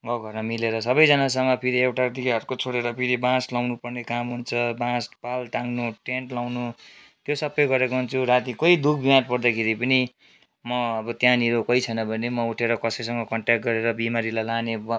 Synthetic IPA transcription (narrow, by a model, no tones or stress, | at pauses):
ɡʌɡʱʌrnʌmileɾʌsʌbʌjd͡zʌnas̬ʌŋʌpʰiɾiewʈat̪ikaɦʌɾkot͡sʰoɽeɾʌpʰiɾibãslawnupʌrnekamɦunt͡sʰʌbãspalʈ̪aŋɡnuʈeɳʈlawnu | t̪josʌpːʌjɡʌɾekoɦunt͡sʰuɾat̪ikʌid̪ukʰbimãʈ̚pʌrd̪akʰeɾipʌni | mʌʌbʌt̪jãniɾokʌit͡sʰʌjnʌbʱʌnemʌuʈʰeɾʌkʌsʌjs̬ʌŋɡʌkʌɳʈjakʈ̚ɡʌɾeɾʌbimaɾilajlaneb